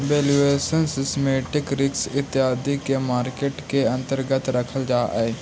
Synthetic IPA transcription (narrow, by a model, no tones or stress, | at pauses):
ʋeːlueːsənsɪsmeːʈɪkɾɪksɪt̪ːɪɦaːd̪ikeːmaːɾkeːʈkeə̃nt̪əɾɡət̪ɾəkʰəld͡ʒaːʔɛː